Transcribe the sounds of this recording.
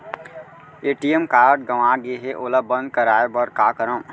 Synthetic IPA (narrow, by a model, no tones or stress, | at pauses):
eːʈiemkaːɾɖ̚ɡɐʋãːɡeɦeʔoːlabə̃nd̪̚kəɾaːebɐɾkaːkəɾə̃